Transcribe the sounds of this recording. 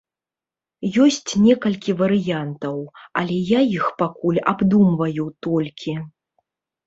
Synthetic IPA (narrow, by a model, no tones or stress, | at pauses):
jɔsʲt͡sʲnʲɛkɐlʲkʲivɐɾɨjant̪ɐwɐlʲɛjajixpakulʲabd̪umvɐjut̪ɔlʲkʲi